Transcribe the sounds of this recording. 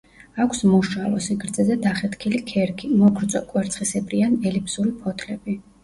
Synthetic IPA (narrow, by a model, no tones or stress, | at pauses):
akʰsmuʃalɔsiɡɾd̪zɛzɛd̪aχɛt̪ʰkʰilikʰɛɾkʰimɔɡʰɾt̪sʼɔkʼwɛɾt̪sʰχisɛbʼɾianɛlipʰsuɾipʰɔt̪ʰlɛbi